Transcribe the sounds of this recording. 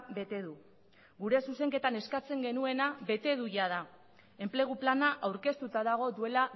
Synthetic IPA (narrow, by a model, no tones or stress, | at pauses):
be̞t̪e̞ðu | ɡuɾe̞suse̞ŋke̞t̪ane̞skat͡se̞ŋɡe̞nue̞naβe̞t̪e̞ðujað̞a | e̞mple̞ɣ̞uplanaʔawɾke̞st̪ut̪aðaɣ̞o̞ðue̞la